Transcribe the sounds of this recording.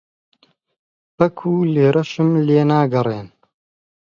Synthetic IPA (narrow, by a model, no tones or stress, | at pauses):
bɐkʰuːleːɾʔɐʃɨmleːnaːɡɐreːn